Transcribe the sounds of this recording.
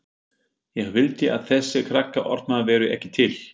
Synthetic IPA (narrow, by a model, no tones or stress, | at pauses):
jɛɣvɪlt̪ɪʔa̰ðθɛsːɪkʰɾakːaʔɔ̰ɾt̪̚navɛːɾʏɛ̰hcɪ̥t̪ʰɪl